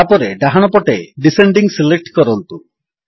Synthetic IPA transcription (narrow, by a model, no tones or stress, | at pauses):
apɔɾeɖaɦaɽ̃ɔpɔʈeɖiseɳɖiŋsilek̚ʈkɔɾɔnt̪u